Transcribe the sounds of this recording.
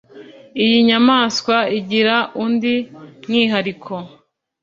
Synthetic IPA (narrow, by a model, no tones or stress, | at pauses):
ijiɲamaːskwaiɟiɾaʔundiŋiːɦaɾikʰo